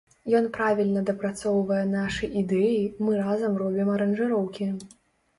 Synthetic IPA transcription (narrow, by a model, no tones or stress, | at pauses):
jɔnpɾavʲilʲnɐd̪ɐpɾat̪sɔwvɐjɛnaʂɨʔid̪ɛjimɨɾazɐmrɔbʲimɐɾɐnʐɨɾɔwkʲi